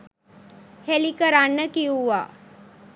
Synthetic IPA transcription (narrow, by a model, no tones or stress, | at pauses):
helikəɾanːəkiuʋa̰ː